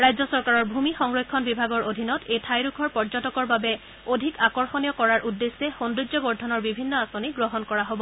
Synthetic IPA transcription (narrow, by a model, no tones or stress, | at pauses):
ɹajzɔsɔɹkaɹɔɹbʱumixɔŋɹojkʰːɔnbibʱaɡɔɹʔodʱinɔtejtʰajɹukʰɔɹpɔɹzɔtɔkɔɹbabɛ | odʱikakɔɹxonijɔkɔɹaɹʔudːesːɛxonduzɔbɔɹdʱɔnɔɹbibʱinːɔasoniɡɹɔɦɔnkɔɹaɦobɔ